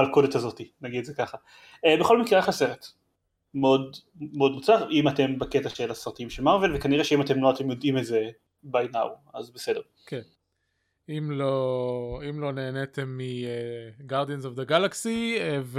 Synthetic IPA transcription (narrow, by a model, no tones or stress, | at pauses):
alkodet̪azotinaɡid̪ezekaχa | ebeχo̞lmikʁeaχase̞ʁet | meo̞d | meo̞dmut͡saʁimate̞mbaket̪aʃelasʁat̪imʃelmaʁve̞lvekaniʁeʃeimat̪emloate̞mjo̞dimetze | bajnauazbesedeʁ | ken | imloimlo̞ne̞ːnet̪emːieɡaʁdienzovd̪eɡalaksiev